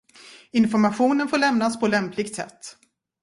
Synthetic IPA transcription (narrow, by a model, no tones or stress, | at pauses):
ɪnfɔɾmaɧuːnənfoːɭɛmnaspʰɔlɛmpʰlɪɡ̚t̪sɛ̰t̪ː